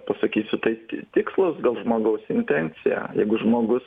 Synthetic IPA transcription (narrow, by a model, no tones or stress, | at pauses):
pɐsɐkʲiːsʲʊt̪ɐɪtʲt̪ʲɪkslˠɐsɡɐlˠʒmoːɡɐʊsɪnʲt̪ʲɛnʲt͡s̪ʲɪjæ̰jɛɪɡʊʒmoːɡʊs